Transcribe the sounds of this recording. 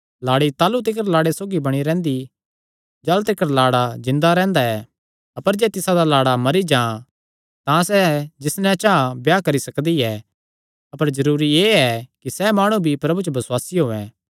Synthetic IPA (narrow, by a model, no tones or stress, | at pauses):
laːɽit̪aːlut̪̬ɪkəɾlaːɽesoːɡibɐɽ̃iɾɛ̃ːnd̪i | d͡ʒɐlt̪ɪkəɾlaːɽad͡ʒɪ̃nd̪aɾɛ̃ːnd̪aɛ | ɐpəɾd͡ʒɛːt̪ɪsad̪alaːɽamɐɾid͡ʒãː | t̪ãsɛd͡ʒɪsnɛ̃t͡ʃãbjaːkɐɾisɐkd̪iɛ | ɐpəɾd͡ʒɐɾuːɾieːɛkisɛmaːɽ̃ũbʱipɾɐbut͡ʃobɐswaːsiɦoːɛ̃